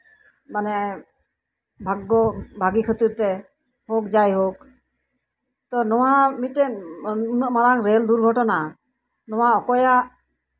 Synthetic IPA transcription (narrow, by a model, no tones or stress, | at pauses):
manɛ | bʱaɡːɔbʱaɡikʰət̪iɾt̪ɛ | hɔkd͡ʒajɦok̚ | t̪ɔnɔwamiʈɛnunəʔmaɾaŋɾɛld̪uɾɡʱɔʈɔna | nɔwaɔkɔjaʔ